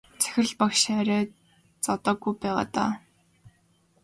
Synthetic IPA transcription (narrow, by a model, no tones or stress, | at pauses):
t͡sæ̥xʲɪ̆rɮpakʃæːɾʲæː | t͡sɔt̪ɔːɡujpæːʁa̰ːt̪a̰ː